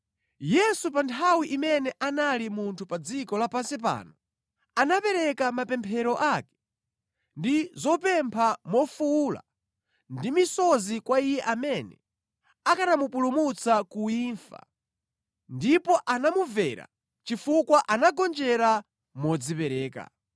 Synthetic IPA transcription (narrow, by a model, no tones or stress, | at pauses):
jɛsupantʰawiʔimɛnɛʔanalimuntʰupad͡zikɔlapansip̬a̰ːnɔ | anapɛɾɛkamapɛmpʰɛɾɔʔaːkɛ̥ | ndizɔpɛmpʰamɔfula̰ | ndimisɔzikwaijɛʔamɛnɛ̰ | akanamupulumut͡sakuiːnfa̰ | ndipɔʔanamuvɛɾa̰ | t͡ʃifukwaʔanaɡɔnd͡ʒɛɾa | mɔd͡zipɛɾɛːka̰